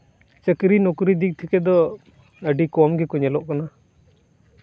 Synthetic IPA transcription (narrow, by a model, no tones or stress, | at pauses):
t͡ʃəkɾinɔkuɾid̪ik̚t̪ʰɛkɛd̪ɔ | əɖikɔmɡɛkuɲɛlɔʔkana